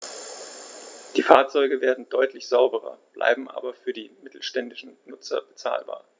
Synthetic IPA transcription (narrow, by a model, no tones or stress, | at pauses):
d̥iːfaːɐt͡sɔʏɡəveːɐdn̩dɔʏtlɪçz̥aʊbəʁɐ̰b̥lʔa̰ɪbm̩ʔa̰ːbɐfyːɐdiːmɪtl̩ʃtɛndɪʃn̩nʊt͡sɐ̰bət͡sa̰ːlba̰ːɐ